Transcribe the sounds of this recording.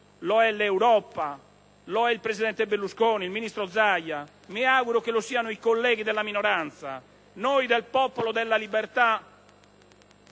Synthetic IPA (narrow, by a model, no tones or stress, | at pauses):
lɔɛleuwɾɔpa | lɔɛilpɾezid̪ɛnt̪ebelːuskoːnilminist̪ɾɔd̪zːajːa | miaːɣuɾokelosiːanoikolːɛːɡid̪ɛlːaminɔɾant̪sa̰ | nojd̪ɛlpɔːpolɔd̪ɛlːalibɛɾt̪a